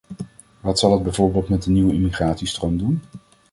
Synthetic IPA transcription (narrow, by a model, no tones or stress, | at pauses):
ʋɑtsɑlˠɑdbɛjvoːɹbeːlˠtmɛtdəniwəimiχraːtsistrowmdun